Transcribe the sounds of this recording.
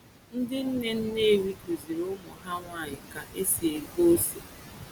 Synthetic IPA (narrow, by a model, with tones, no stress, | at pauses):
n̩˦dɪ˦n̩˦ne˦n̩˦ne˦˨wi˦ku˨zi˨ɾʊ˦mʊ˨ɦa˦ŋʷa˦˨ɲɪ˨ka˨ʔe˦si˨e˨ɡo˦se˨